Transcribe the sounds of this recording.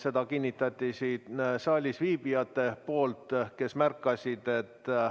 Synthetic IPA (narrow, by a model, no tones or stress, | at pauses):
se̞d̪ɑkinʲːit̪ːˑɑt̪ːisiːt̪sɑːlʲisviːbiɑt̪ːˑe̞po̞ːlt̪ˑke̞smærkˑːɑsʲid̪̥e̞t̪ːˑ